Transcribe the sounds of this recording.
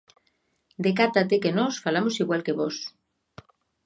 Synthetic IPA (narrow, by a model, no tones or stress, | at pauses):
d̪ekat̪at̪ekenosfalamosiɣwalkeβos